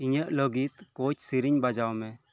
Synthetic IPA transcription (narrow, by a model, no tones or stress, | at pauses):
iɲəʔlɔɡit̪kot͡ʃsiɾiɲbad͡ʒawmɛ̃